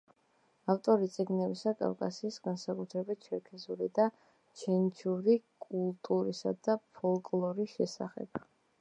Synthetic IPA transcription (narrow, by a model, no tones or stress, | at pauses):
aft̪ʼɔɾit̪sʼiɡnɛbisakʼa̰vkʼasiːsɡansakʼut̪ʰɾɛbit̪̚ʰt͡ʃʰɛɾkʰɛzuɾid̪a | t͡ʃʰɛnt͡ʃʰuɾikʼulˠt̪ʼuɾisa̰d̪apʰɔlˠkʼlˠɔɾiʃɛsa̰χɛ̰b̥̚